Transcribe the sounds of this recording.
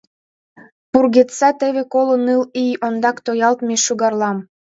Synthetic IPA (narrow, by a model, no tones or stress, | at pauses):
purɣet̪sæt̪eβekolənɯlijond̪ɑkt̪ojɑlt̪meʃuɣɑrlˠɑm